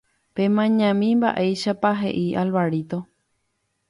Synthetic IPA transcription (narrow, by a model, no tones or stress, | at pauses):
pẽ̞mãɲãmĩmba̰ʔe̞jʃapaɦe̞̰ʔiʔalβaɾit̪o